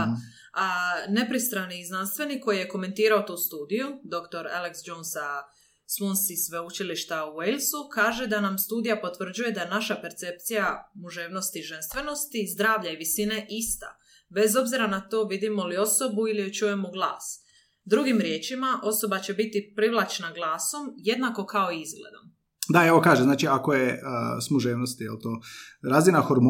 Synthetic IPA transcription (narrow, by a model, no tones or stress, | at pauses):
ane̞pɾist̪ɾaniiznanst̪ʋe̞nikːo̞jije̞ko̞me̞nt̪iːɾaot̪uːst̪uːd̪ijud̪o̞kt̪o̞ɾḛleksd͡ʒonsa | smunsisʋe̞ut͡ʃiliʃt̪auejlsukaːʒe̞d̪anamst̪uːd̪ijapo̞t̪ʋr̩d͡ʑuje̞d̪ajenaʃape̞ɾt̪se̞p̚t̪sijamuʒeːʋno̞st̪iʒe̞nst̪ʋe̞no̞st̪iːzd̪ɾaːʋʎaiʋisine̞ʔist̪a̰ | be̞zo̞bziɾanat̪o̞ːʋid̪imo̞lio̞so̞builiot͡ʃuje̞moɡlaːs | d̪ɾuɡimɾje̞ːt͡ʃimaʔo̞so̞bat͡ɕe̞bit̪ipɾiʋlˠat͡ʃnaɡlˠaːso̞mje̞d̪nako̞kao̞iizɡlḛd̪o̰m | d̪aeʋo̞kaːʒemzaːt͡ʃiakojesmuʒeːʋnost̪ijelt̪oːɾaːzinaxoɾm